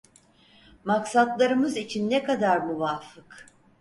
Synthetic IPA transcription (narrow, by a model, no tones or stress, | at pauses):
maksat̪lˠaɾɯmɯzit͡ʃʰinːɛkad̪aɾmuvafɯk